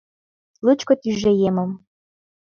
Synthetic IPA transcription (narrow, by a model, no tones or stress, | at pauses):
lut͡ɕkŏt̪yʒejemə̆m